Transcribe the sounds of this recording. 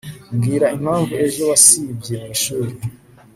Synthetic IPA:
mɡiːɾaʔim̥haːɱvue̞ʒo̞wasib̚ɟijemuiʃuːɾi

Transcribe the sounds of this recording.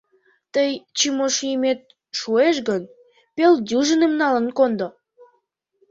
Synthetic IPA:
t̪əjt͡ɕimoʃijəmet̪̚ | ʃueʃ̬ɡən | peld̪ʲuʒənemnɑlə̆nkond̪o

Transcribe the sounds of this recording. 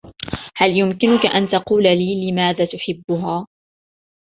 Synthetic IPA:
haljʊmkɪnʊkaʔant̪ɑquːlaliːlɪmaːðaːt̪ʊħɪbːʊɦaː

